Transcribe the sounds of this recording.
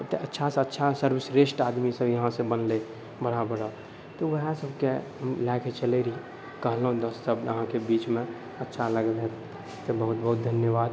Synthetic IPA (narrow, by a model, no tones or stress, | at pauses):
t̪eʔətːʃʰasətːʃʰasəɾbɪsɾesʈad̪misəbjəɦãsẽbənle | bəɽabəɽa | t̪oʋəɦãsəbkeɦəmlɛket͡ʃəleɾi | kəɦləɦũd̪əssəbəɦãkebiːt͡ʃmẽ | ətːʃʰaləɡəlɦɛt̪ | t̪ebəɦut̪̚bəɦut̪̚d̪ʱənjəbaːd̪